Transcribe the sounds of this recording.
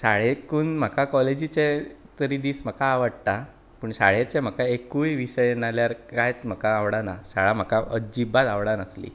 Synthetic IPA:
ɕaɭekuːnm̤əkakɔled͡ʑit͡set̪əɾiːd̪iːsm̤əkaːʋəɽt̪a | pəɳɕa̰ɭet͡sem̤əkaekujʋiɕəjenaljaɾkajt̪m̤əkaːʋɽanaɕaɭam̤əkaəd͡ʑibat̪aʋɽanəslḭː

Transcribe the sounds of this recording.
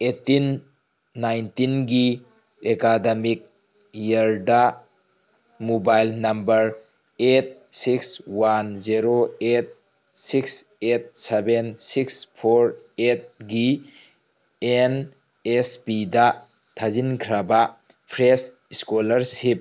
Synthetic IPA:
etinː | ajntinɡi | ekademik̚ | jaɾda | mobajlnɐmbɐɾ | et̚sikswanziɾoet̚ | sikset̚sebensikspʰoɾ | et̚ɡi | en | espida | tʰazinkʰɾaba | pʰɾes | iskolɐɾsip̚

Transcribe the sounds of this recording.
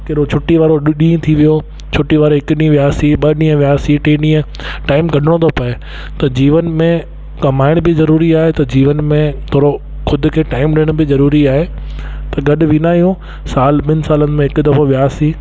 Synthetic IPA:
kɐɾot͡ɕʰʊʈːiʋaːɾoɗĩːt̪ʰiʋijo | t͡ɕʰʊʈːiʋaːɾoɦɪkʊɗĩʋjaːsiɓɐɗĩːə̃ʋɪjaːsiʈẽːɗĩːə̃ | ʈaːɪmɡɐɖʱɪɽ̃ot̪ʰopɐe | t̪ɐd͡ʑiːʋənmẽ | kɐmaːɪɽ̃bɪzɐɾuːɾiaːɦet̪ɐd͡ʑiːʋənmẽt̪ʰoːɾo | xʰʊd̪ʱʊ̆kʰeːʈaːɪmɗɪɽ̃bɪzɐɾuːɾiaːɦe | t̪ɐɡɐɗʊ̆ʋinaːijũ | saːlɓɪnɪ̆saːlənɪ̆mẽɦɪkʊd̪ɐfoʋɪjaːsi

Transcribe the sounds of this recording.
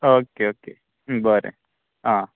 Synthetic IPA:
oːkeoːke | bəɾḛ | ɦãː

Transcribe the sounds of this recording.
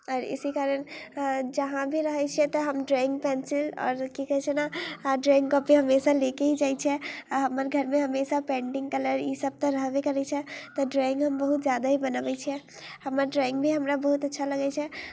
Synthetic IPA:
ɔːɾḭsikaɾənd͡ʒəɦãbʱiɾəɦɛt͡ʃʰɛt̪ɔɦəmɖɾɔĩŋɡ̚pɛnsilɔ̰ːɾkikəɦɛt͡ʃʰɛnaɖɾɔĩŋɡkɔpiɦəmesalekeɦid͡ʒajt͡ʃʰɛaɦəməɾɡʱəɾmẽɦəmesapɛ̃ɳɖɪ̃ŋɡkələɾisəb̚t̪ɔ̃ɾəɦʋekəɾɛt͡ʃʰɛt̪ɔɖɾɔɪ̃ŋɡɦəmbəɦut̪d͡ʒjad̪aɦibənəbɛt͡ʃʰɛ | həməɾɖɾɔɪ̃ŋɡbʱiɦəmɾabəɦut̪ətːʃʰaləɡɛt͡ʃʰɛ

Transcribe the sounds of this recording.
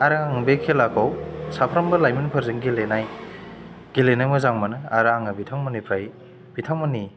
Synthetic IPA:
aɾaaŋbekʰelakʰawsapʰɾɐmbɐlajminpʰɐɾzɯŋɡilenaj | ɡ̥ilenajmɯzaŋmɐnɯaɾaŋɐbitʰaŋmɐnipʰɾaj | bitʰaŋmɐni

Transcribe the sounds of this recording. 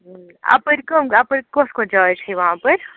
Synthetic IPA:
a̰pəɾkəmapəɾkoskõd͡ʒat͡ʃʰiʋɐɦãpəɾ

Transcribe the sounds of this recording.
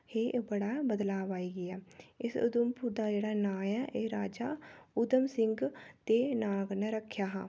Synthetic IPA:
heːbəɽaːbəd̪laːʋaːiːɡɪaːɪsʊ̰d̪ʊmpuːɾd̪aːd͡ʒeːɽaːnaːjɛːʔeːɾaːd͡ʒaːʊd̪əmsɪŋɡt̪eːnaːɡneːɾəkʰːjaːɦãː

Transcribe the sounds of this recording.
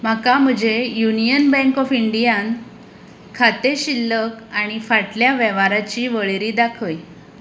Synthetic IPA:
m̤akam̤əd͡ʑejunijənbɛ̃ŋkɔfiɳɖijan | kʰat̪eɕilːəkaɽ̃ifaʈljaʋɛʋaɾat͡ɕiːʋəɭeɾiːd̪akʰəj

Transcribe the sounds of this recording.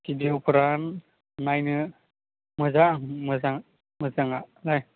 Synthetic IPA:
kidiwpʰɯɾan | najnɯ | mɯzaŋmɯzaŋ | mɯzaŋalaj

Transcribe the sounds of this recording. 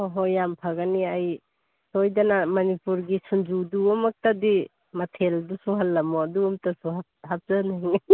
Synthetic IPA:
ɔɦɔjampʰaɡaniaj | sɔjdanamɐnipuɾɡisund͡ʒuduɔmak̚tadi | matʰeldusuɦalːamɔaduɔmtasua | hap̚zaniŋ

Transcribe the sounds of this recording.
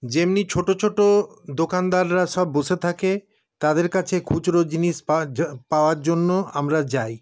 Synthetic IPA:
d͡ʑemnit͡ɕʰoʈot͡ɕʰoʈod̪okand̪aɾɾaʃɔbːoʃet̪ʰake | t̪ad̪eɾkat͡ɕʰekʰut͡ɕɾod͡ʑiniʃpaoaɾd͡ʑonːoamɾad͡ʑaj

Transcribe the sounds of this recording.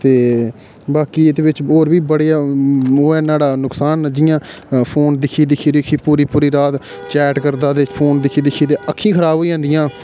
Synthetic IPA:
t̪eː | baːkiːet̪eːbɪt͡ʃoːɾbiːbəɽejaːoːɛːnaːɽaːnʊksaːnd͡ʒɪjãːpʰoːnd̪ɪkʰːiːd̪ɪkʰiːd̪ɪkʰiːpuːɾiːpuːɾiːɾaːt̪ | t͡ʃɛːʈkəɾd̪aːd̪eːpʰoːnd̪ɪkʰiːd̪ɪkʰiːd̪eːəkʰːĩːkʰəɾaːbɦoːid͡ʒãːnd̪ɪjãː

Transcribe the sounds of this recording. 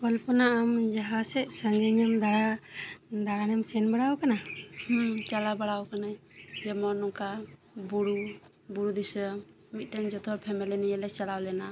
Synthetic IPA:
kɔlpɔnaamd͡ʒaɦasɛsaŋɡɛɲamd̪aɽa | d̪aɽanɛmsɛnbaɽawkanaht͡ʃalabaɽawkanad͡ʒɛmɔnɔka | buɽu | buɾud̪isə | mit̪̚ˀtɛmd͡ʒɔt̪ʰɔpʰɛmɛlɛniɛlɛt͡ʃalawlɛna

